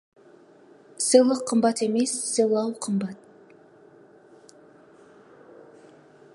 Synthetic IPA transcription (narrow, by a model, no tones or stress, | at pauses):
sɨlˠəqʰːəmbɑt̪eme̞sːɨlˠɑwqʰəmbɑt̪̚